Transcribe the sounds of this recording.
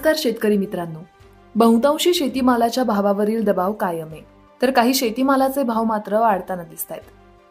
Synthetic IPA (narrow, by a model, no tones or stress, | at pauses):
kaɾɕet̪kəɾiːmit̪ɾanːuː | bə̃ɦũt̪ãw̃ɕiːɕet̪iːmalat͡ɕjabʱaʋaʋəɾiːld̪əbaʋkajəme | t̪əɾkaɦiːɕet̪iːmalat͡sebʱaʋmat̪ɾəʋaɽt̪anad̪ist̪ajt̪